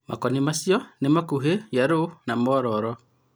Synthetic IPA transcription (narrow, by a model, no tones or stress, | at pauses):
mʔa̰kɔnimasjɔnemakuɦejaɾonamɔɾɔɾɔ